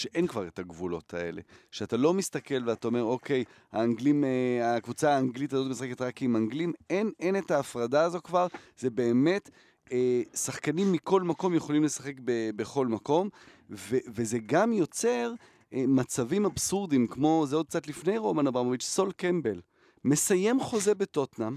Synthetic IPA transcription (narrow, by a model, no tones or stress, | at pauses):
ʃeʔe̞nkvaʁe̞taɡvulo̞̰tʰae̞̰le̞̰ʃeatalo̞mist̪ake̞lveataome̞ʁo̞ke̞j | a̰ːŋɡlimakvut͡saːŋɡlitazo̞tmisχeketʁakimaŋɡlimene̞netaːfʁadaːzo̞kvaʁz̥e̞be̞ːme̞t | esaχkanimːiko̞lmako̞mje̞χo̞limle̞sḁχe̞kbebeχo̞lmako̞m | veveze̞ɡamjo̞t͡se̞ʁ | mat͡savimabsuʁd̪imkmo̞zeo̞d̪kt͡sat̪lifne̞jʁomanabamoit͡ʃso̞lkembe̞l | me̞saje̞mχo̞ze̞beto̞tnam